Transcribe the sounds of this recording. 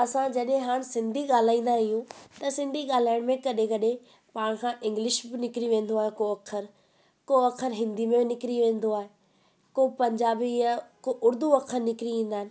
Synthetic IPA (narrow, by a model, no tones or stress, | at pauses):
ɐsãd͡ʑɐɗɦẽɦaːɽ̃sɪ̃nd̪ʱiɠaːl̤aːĩːnd̪aɾɐɦijũt̪ɐsɪ̃nd̪ʱiɠaːl̤aːjəɽ̃mẽkɐɗẽkɐɗẽ | paːɽ̃kʰãʔɪ̃ŋɡlɪʃbɪnɪkɾiʋẽːn̆d̪oaːɦekoɐkʰəɾ | koɐkʰəɾɦɪ̃nd̪imẽɪnɪkɾiʋẽːn̆d̪oaːɦe | kopɐ̃ɲd͡ʑaːbijakoʔʊɾd̪ʱuɐkʰəɾnɪkɾiĩːn̆d̪aːɦɪ̆nɪ̆